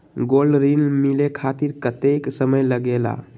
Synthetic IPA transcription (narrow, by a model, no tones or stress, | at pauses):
ɡolɖɾinmilekʰat̪iɾkət̪eksəməjləɡela̰